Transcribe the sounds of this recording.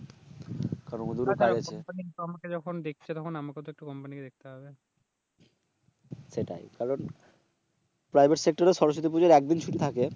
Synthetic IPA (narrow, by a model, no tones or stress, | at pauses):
kaɾonod̪uɾipajat͡ɕʰempanit̪oamaked͡ʑɔkʰond̪ek̚ʰt͡ɕʰet̪ɔkʰonamakeɔt̪oek̚ʈukɔmpaniked̪ek̚ʰt̪eɦɔbe | ʃeʈa̰jkaɾon | pɾajbʱeʈsek̚ʈaɾeʃɔɾoʃ̬ot̪ip̬ud͡ʑeɾɛk̚d̪int͡ɕʰuʈit̪ʰake